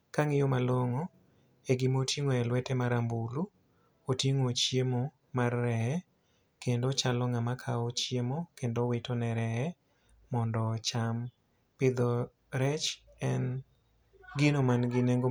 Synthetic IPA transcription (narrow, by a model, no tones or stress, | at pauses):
kaŋɪjomaloŋo | eɡɪmotʰjeŋoɛlwɛtɛmaɾambulu | oteŋot͡ʃjemo | marːɛɛ | kendot͡ʃalɔŋamakʰaot͡ʃjemokendowɪtonɛɾɛɛ | mɔndɔt͡ʃam | pɪd̪ɔ | ɾɛt͡ʃ | ɛn | ɡɪnomanɡɪneŋɡo